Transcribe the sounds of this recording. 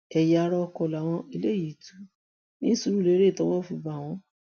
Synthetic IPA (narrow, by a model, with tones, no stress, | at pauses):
ɛ˨ja˧ɾɔ˧kɔ˧˨la˨w̃ɔ̃˧i˧le˦˨ji˨tu̥˨˦ | nĩ˦su˧ɾu˦le˨˦ɾe˦˨tɔ˦wɔ˦˨fu˧ba˨w̃ɔ̃˧˦